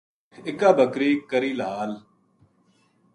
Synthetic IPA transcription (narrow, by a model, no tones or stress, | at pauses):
ɪkaːbʱəkɾiːkəɾiːlaːl